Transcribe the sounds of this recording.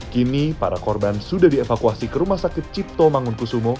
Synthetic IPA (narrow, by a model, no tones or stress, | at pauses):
kinipa̰ɾakɔrbansudahdiefakuasikəɾumahsakɪt̪̚t͡ʃit̪omaŋʊnkusumɔ